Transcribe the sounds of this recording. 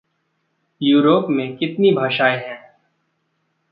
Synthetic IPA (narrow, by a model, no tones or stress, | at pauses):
juːɾoːpmẽkɪt̪nibʱaːʃaːeɦɛ̃ː